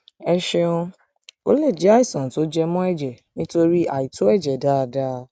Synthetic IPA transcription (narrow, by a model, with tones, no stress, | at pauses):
ɛ˧ʃɛ˧õ˧ | o̰˦le˦˨d͡ʒa˦i˦˨sɔ̃˨to˨˦d͡ʒɛ˦mɔ̃˦ɛ˦˨d͡ʒɛ˨ | nĩ˦to˧ɾi˦ʔa˨i˨to˨˦ɛ˦˨d͡ʒɛ˨da˦˧da˦